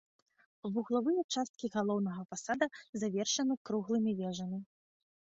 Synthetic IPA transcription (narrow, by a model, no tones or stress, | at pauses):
vuɣlˠavɨjɛt͡ʂast̪̚kʲiɣalˠɔwnɐɣɐfasad̪ɐzavʲɛrʂɐnɨkɾuɣlˠɨmʲivʲɛʐɐmʲi